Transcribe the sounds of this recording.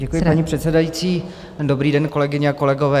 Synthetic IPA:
ɟɛkujɪpaɲipr̝̥ɛt̪sɛdajit͡siː | do̞bɾiːdɛnko̞lɛɡɪɲɛako̞lɛɡo̞vɛː

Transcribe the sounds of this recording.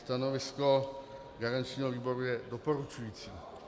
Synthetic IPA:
st̪anovɪsko | ɡaɾant͡ʃɲiːɦɔviːboɾujɛdopoɾut͡ʃujiːt͡sḭ

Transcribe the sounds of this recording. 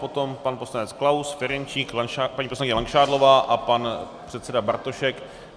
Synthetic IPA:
po̞t̪o̞mpanpo̞slanɛt͡sklawsfɛɾɛnt͡ʃiːklanapaɲiːposlaŋkɪɲɛlaŋkʃaːdlo̞vaːʔapan | pr̝̥ɛt̪sɛdabaɾt̪o̞ʃɛk

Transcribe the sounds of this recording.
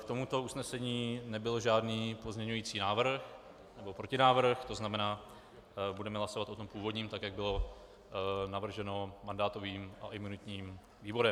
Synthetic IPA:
kt̪omut̪o̞usnɛsɛɲiːnɛbɪlʒaːdniːpo̞zɲɛɲujiːt͡siːnaːvr̩x | nɛbo̞pɾocɪnaːvr̩xt̪o̞znamɛnaː | budɛmɛɦlaso̞vat̪ʔo̞t̪o̞mpuːvo̞dɲiːmt̪akjaɡ̚bɪlo̞ | navr̩ʒɛno̞mandaːt̪o̞viːmʔa̰ʔɪmunɪt̪ɲiːm | viːvo̞ɾɛm

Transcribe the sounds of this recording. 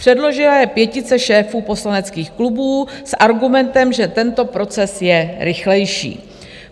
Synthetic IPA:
pr̥ɛdlo̞ʒɪlajɛpjɛcɪt͡sɛʃɛːfuːpo̞slanɛt͡skiːxklubuːsʔaɾɡumɛnt̪ɛmʒɛt̪ɛnt̪o̞pɾo̞t͡sɛsjɛɾɪxlɛjʃḭː

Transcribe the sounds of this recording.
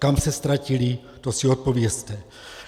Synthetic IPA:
kamsɛst̪ɾacili | t̪osiot̪̚po̞vjɛst̪ɛ

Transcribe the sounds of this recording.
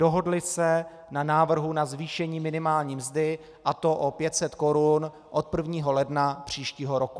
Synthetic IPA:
doɦo̞dlɪsɛ | nanaːvr̩ɦunazviːʃɛɲiːmɪnɪmaːlɲiːmzdɪ | ʔat̪o̞ʔopjɛt̪sɛt̪ko̞ɾun | ʔo̞t̪̚pr̩vɲiːɦo̞lɛdnapr̝̥iːʃciːɦo̞ɾoku

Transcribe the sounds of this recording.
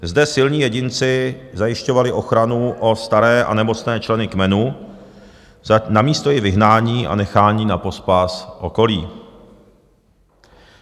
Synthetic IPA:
zdɛsɪlɲiːjɛɟɪnt͡sɪzajɪʃco̞valɪʔo̞xɾanuʔo̞st̪aɾɛːʔa̰nɛmo̞t͡snɛːt͡ʃlɛnɪkmɛnu | namiːst̪o̞jɪvɪɦnaːɲiːʔa̰nɛxaːɲiːnapo̞spasʔo̞ko̞liː

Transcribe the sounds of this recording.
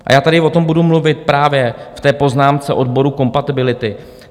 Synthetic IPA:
ʔa̰jaːt̪adɪvot̪o̞mbudumluvɪt̪̚pɾaːvjɛft̪ɛːpo̞znaːmt͡sɛʔo̞dbo̞ɾuko̞mpat̪ɪbɪlɪt̪ɪ

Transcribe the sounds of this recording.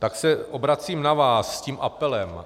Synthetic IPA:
t̪aksɛʔobɾat͡siːmnavaːsːciːmʔapɛlɛm

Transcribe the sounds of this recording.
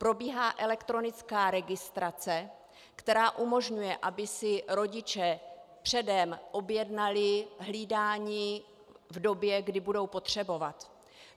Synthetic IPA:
pɾo̞biːɦaːʔɛlɛkt̪ɾo̞nɪt͡skaːɾɛɡɪst̪ɾat͡sɛ | kt̪ɛɾaːʔumo̞ʒɲujɛʔabɪsɪɾo̞ɟɪt͡ʃɛpr̝̥ɛdɛmʔo̞bjɛdnalɪɦliːdaːɲiː | vdo̞bjɛɡdɪbudo̞wpo̞t̪r̝̥ɛbo̞vat̪

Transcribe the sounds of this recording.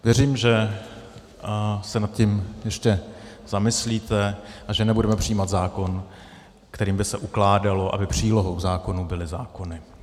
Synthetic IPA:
vjɛriːmʒɛ | sɛnat̪̚cɪmjɛʃcɛz̥amɪsliːt̪ɛʔaʒɛnɛbudɛmɛpr̝̥ijiːmat̪zaːko̞n | kt̪ɛɾiːmbɪsɛʔuklaːdalo̞ʔa̰bɪpr̝̥iːlo̞ɦowɡzaːko̞nubɪlɪzaːko̞nɪ

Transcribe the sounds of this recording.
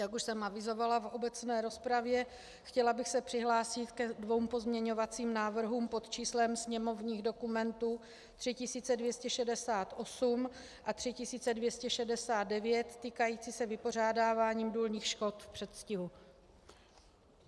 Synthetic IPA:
jakuʃsɛmʔavɪzo̞valafʔo̞bɛt͡snɛːɾo̞spɾavjɛ | xcɛlabɪxsɛpr̥ɪɦlaːsɪt̪kɛdvo̞wmpo̞zmɲɛɲo̞vat͡siːmnaːvr̩ɦuːmpo̞t̪t͡ʃiːslɛmsɲɛmo̞vɲiːɣdo̞kumɛnt̪uː | t̪r̥ɪcɪsiːt͡sɛdvjɛscɛʃɛdɛsaːt̪ʔo̞sum | ʔat̪r̥ɪcɪsiːt͡sɛdvjɛscɛʃɛdɛsaːt̪d̪̚dɛvjɛt̪ːiːkajiːt͡siːsɛvɪpo̞r̝aːdaːvaːɲiːmduːlɲiːxʃko̞t̪fpr̥ɛt̪scɪɦu

